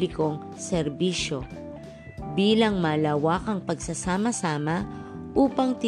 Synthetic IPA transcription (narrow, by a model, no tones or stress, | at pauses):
lɪkoŋ | sɛɾbiːʃjo̞ | biːlɐŋmɐːlawakɐŋpɐɡsɐsaːmɐsaːmɐ | ʔuːpɐŋt̪ɪ